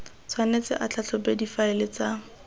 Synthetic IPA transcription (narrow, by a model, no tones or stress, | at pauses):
t͡sʰwanet͡sɪ̰ʔat͡ɬʰat͡ɬʰɔpedifaɪlɪt͡sa